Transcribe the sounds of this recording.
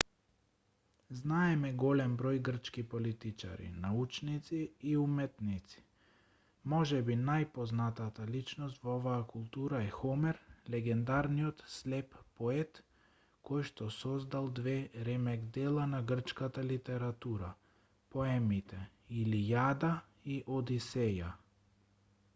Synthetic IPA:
znaɛmɛɡɔlɛmbɾɔjɡr̩t͡ʃkipɔlit̪it͡ʃa̰ɾḭnaut͡ʃnit̪siːumɛt̪nit̪si̥ | mɔʒɛbinajpɔznat̪at̪alit͡ʃnɔst̪vɔɔvaːkulˠt̪uɾaɛxɔmɛɾlɛɡɛnd̪aɾniɔt̪slɛppɔɛt̪ | kɔjʃt̪ɔsɔzd̪alˠd̪vɛɾɛmɛɡd̪ɛlˠanaɡr̩t͡ʃkat̪alit̪ɛɾat̪uɾa | pɔɛmit̪ɛ | ilijad̪a | iʔɔd̪isɛja

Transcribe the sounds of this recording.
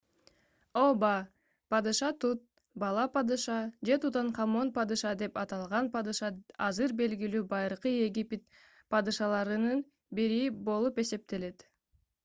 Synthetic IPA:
obɑ | pɑd̪ɨʃɑt̪ut̪̚ | bɑlˠɑpɑd̪ɨʃɑd͡ʒe̞t̪ut̪ɑɴqʰɑmo̞npɑd̪ɯʃɑd̪e̞pɑt̪ɑlˠʁɑnpɑd̪ɯʃɑɑzɯɾbe̞lɡilyːbɑjɾɯqɯe̞ɡʲipʲet̪̚ | pɑd̪ɯʃɑlˠɑɾɯnɯn | biɾibo̞lˠupe̞se̞p̚t̪e̞le̞t̪

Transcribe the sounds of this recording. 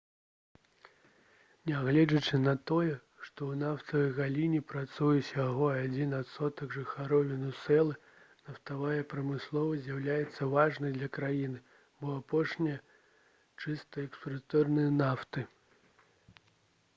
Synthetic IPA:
nʲaɣlʲɛd͡zɐt͡ʂɨnɐt̪ɔjɛ | ʂt̪ɔwnaft̪ɐvɐjɣalʲinʲipɾat̪sujusʲjaɣɔad͡zʲinat̪sɔt̪ɐɡʐɨxaɾɔvʲinusɛlˠɨ | nɐft̪avajɛpɾɐmɨslˠɔvɐzʲjawlʲajɛt̪sːɐvaʐnɐjd̪lʲɐkɾajinɨ | bɔapɔʂnʲijɐ | t͡ʂɨst̪ɐɛkspɾɐt̪ɔrnɨjɐnaft̪ɨ

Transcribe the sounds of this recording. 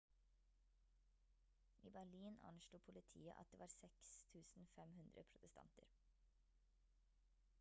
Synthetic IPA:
ʔiːbæɭiːnɑ̰nʃluːpʰʊlɪt̪ʰiːə̰ʔɑ̰t̪̚d̪eːʋɑːɾsɛkst̪ʰʉːsn̩fɛmhʉnd̪ɾʔə̰pʰɾʊt̪əst̪ʰɑ̰nt̪ə̰ɾ

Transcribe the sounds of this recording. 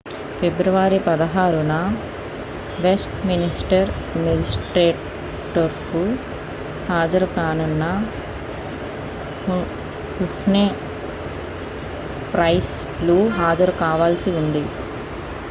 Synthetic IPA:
febɾuʋaːɾipɐd̪ɐɦaːɾunɐ | ʋesʈminisʈɐɾ | med͡ʒisʈɾeːʈ | ʈːoɾku | haːd͡ʒɐɾukaːnunːɐ | uʈne | pɾɐjs | luɦaːd͡ʒɐɾukaːʋaːlsiund̪i

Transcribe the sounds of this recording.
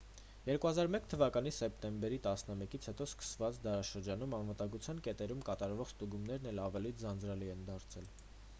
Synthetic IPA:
jɛɾkuhɑzɑɾmɛkt̪ʰəvɑkɑnisɛp̚t̪ɛmbɛɾit̪ɑsnəmɛkit͡sʰhɛt̪ɔskə̥svɑt͡sd̪ɑɾɑʃəɾd͡ʒɑnumɑnvət̪ɑŋɡut͡sʰjɑnkɛt̪ɛɾumkɑt̪ɑɾvɔχst̪uɡumnɛɾnɛlɑvɛlid͡zɑnd͡zɾɑliɛnd̪ɑɾt͡sʰɛl

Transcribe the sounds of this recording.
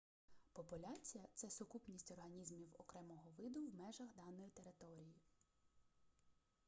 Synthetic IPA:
pɔpʊlʲat͡sʲijɐt̪sɛsʊkupnʲisʲtʲɔrɦɐnʲizmʲiwɔ̰kɾɛmɔɦɔʋɪd̪ʊwmɛʒɐxd̪ɑnɔjit̪eɾɪt̪ɔɾʲiji

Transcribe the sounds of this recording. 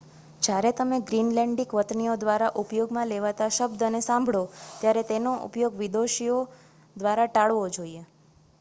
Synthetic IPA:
d͡ʒjaɾet̪əmeɡɾinlɛ̃ɳɖikʋət̪niod̪ʋaɾaʔupjoɡmãleʋat̪aʃəbd̪ʱənesãmbʱɽot̪jaɾet̪enoʔṵpjoɡʋid̪oʃio | d̪ʋaɾaʈaɭʋod͡ʒoie

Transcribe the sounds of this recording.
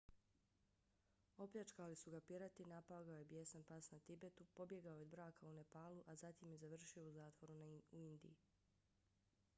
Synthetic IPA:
o̞pʎʲat͡ʃkalisuɡapiɾat̪inapaɡaojebjesanpasnat̪ibe̞t̪upo̞bje̞ɡaood̪bɾaːkʰaune̞paːluʔazat̪imjezaʋr̩ʃio̞uzaːt̪ʋo̞ɾunauind̪ḭji

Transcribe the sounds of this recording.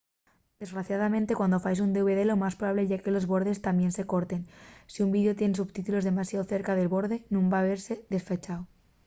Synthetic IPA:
d̪̥e̞zɣɾaθjað̞amẽ̞nt̪e̞kwand̪o̞fajs̬und̪euβe̞ðe̞lo̞maspɾoβaβle̞ʝake̞lo̞zβo̞ɾðe̞st̪ambje̞nse̞ko̞ɾt̪e̞nsiumbiðjo̞t̪je̞nesuβt̪it̪ulo̞zðe̞masjaðoθe̞ɾkaðe̞lβo̞ɾðe̞nũmbaβe̞ɾse̞ðe̞sfet͡ʃaw

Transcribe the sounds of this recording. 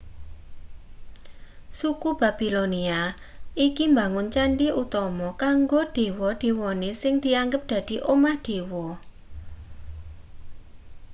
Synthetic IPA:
sukub̥a̤b̥i̤lonia | ikimbaŋʊnt͡ʃaɳɖiʔut̪ɔmɔkaŋɡod̪̥e̤wɔd̪̥e̤wɔnesɪŋd̪̥i̤aŋɡəp̚d̪̥ä̤d̪̥i̤ʔomahd̪̥e̤wɔ

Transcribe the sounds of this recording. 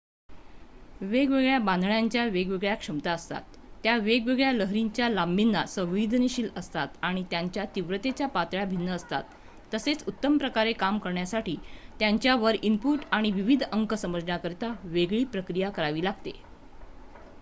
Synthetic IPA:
ʋeɡʋeɡɭjabãnd̪ʱɭjaɲt͡ɕjaʋeɡʋeɡɭjakʂəmt̪aəst̪a̰t̪ː | jaʋeɡʋeɡɭjaləɦɾiɲt͡ɕjalambinːasə̃ʋʋid̪ʱniɕiːləst̪at̪aɽ̃it̪jaɲt͡ɕjat̪iʋɾət̪et͡ɕjapat̪ɭjabʱinːəːst̪a̰t̪ː | əset͡sut̪ːəmpɾəkaɾekamkəɾɳjasaʈiːt̪jaɲt͡ɕjaʋəɾimpuʈaɽ̃iʋiʋid̪ʱəŋkəsəməd͡zɳjakəɾt̪aʋeɡɭiːpɾəkɾijakəɾaʋiːlaɡt̪e

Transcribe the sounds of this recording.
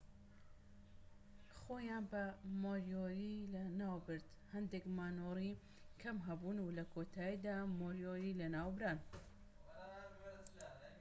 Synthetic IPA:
xojaːnbɐmoɾjoːɾilɐnaːwbɨɾd̪ | hɐnd̪ekmaːnoːɾi | kʰɐmɦɐbuːnulɐkʰoːt̪ʰaːid̪aːmoɾjoːɾilɐnaːwbɾaːn

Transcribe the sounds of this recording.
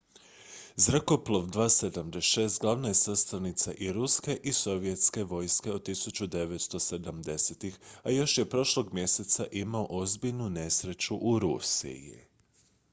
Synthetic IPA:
zɾako̞plˠo̞ʋd̪ʋaːsed̪amd̪eʃe̞ːst̪ɡlˠaʋnaje̞sast̪anit̪saʔiɾuske̞ʔiso̞ʋje̞t̪ske̞ʋo̞jske̞od̪̚t̪isut͡ɕud̪e̞ʋe̞t̪st̪o̞se̞d̪amd̪e̞set̪ixajo̞ʃje̞pɾo̞ʃlˠo̞ɡmje̞se̞t̪saʔimaoʔo̞zbiʎnune̞sɾe̞t͡ɕuʔuɾusḭjḭ

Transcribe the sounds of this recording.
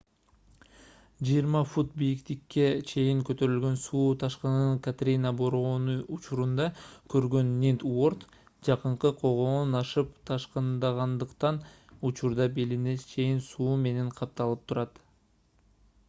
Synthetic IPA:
d͡ʒɯjiɾmɑfut̪̚bijikt̪ikːe̞t͡ʃʰe̞jiŋkøt̪ø̞ɾylɡø̞nsuːt̪ʰɑʃqɑnɯŋkat̪rʲinaboɾonuut͡ʃuɾund̪ɑkʰø̞ɾɡø̞nːint̪o̞rt̪ | d͡ʒɑqɯɴqɯqʰo̞ʁo̞ːnɑʃɯpt̪ʰɑʃqɯnd̪ɑʁɑnd̪ɯqt̪ɑn | ut͡ʃuɾd̪ɑbelinet͡ʃʰe̞jinsuːme̞ne̞ɴqʰɑp̚t̪ɑlˠɯp̚t̪ʰuɾɑt̪

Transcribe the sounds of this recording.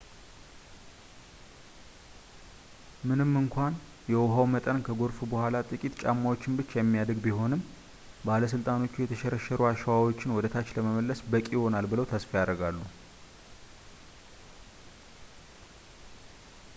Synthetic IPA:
mɨnɨmːɨŋkʷʰan | jɛwʊɦawmət̪ʼənkʰəɡo̞ɾfubəhʷalat̪ʼɨkʼit̪t͡ʃʼa̰mːawo̞t͡ʃːɪnbɨt͡ʃːjɛmːijad̪əɡbiɦo̞nɨm | baləs̬ɨlt̪ʼano̞t͡ʃːujɛt̪ʰəʃɛɾəʃɛɾuaʃəwawo̞t͡ʃːɪnwɔd̪ət̪ʰat͡ʃːləməməlːəsbəkʼiho̞nalbɨləwt̪ʰəsfijad̪ɾɡalːu

